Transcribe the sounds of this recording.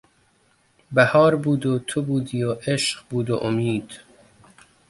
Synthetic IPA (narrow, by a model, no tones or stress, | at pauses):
bæhɒːɾbuːd̪ot̪ʰobuːd̪iːoʔeʃɢbuːd̪o̰ʔomiːd̪̥